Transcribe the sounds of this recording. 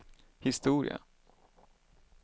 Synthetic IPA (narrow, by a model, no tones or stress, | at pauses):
hɪst̪uːɾɪ̰a̰